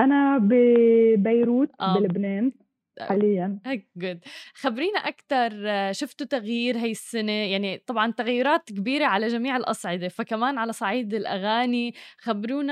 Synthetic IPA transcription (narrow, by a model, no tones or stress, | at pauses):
ʔanabɪbajɾuːt̪̚ʔabɪlɪbneːn | ħaːlɪjːanaɡʊd̪xabɾiːnaʔakt̪ɑɾˤʃʊft̪ut̪aɣjiːɾɦaːjɪsːanejaʕnit̪ˤɑbʕɑnt̪aɣajːʊɾɑːt̪kɪbiːɾeʕalaʒamiːʕɪlʔɑsˤʕɪd̪efakamaːnʕalasˤɑʕiːd̪ɪlʔa̰ɣaːnixabɾuːna